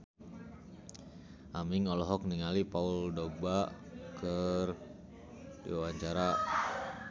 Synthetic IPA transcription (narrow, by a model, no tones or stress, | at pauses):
ʔamiŋɔlɔɦɔk̚niŋalipauldoba | kər | dḭwawaɲt͡ʃaɾa